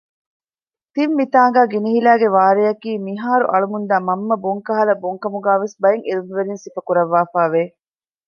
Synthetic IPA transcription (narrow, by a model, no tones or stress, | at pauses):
t̪imːit̪aːɡæːɡiniɦilæːɡeʋaːɾejɐkiːmiɦaːɾṵʔɐɭumund̪æːmɐmːɐboŋkɐɦɐlɐboŋkɐmuɡæːʋesbɐjeŋʔiɾumʋelinsifɐkuɾɐʋːaːfaːʋeː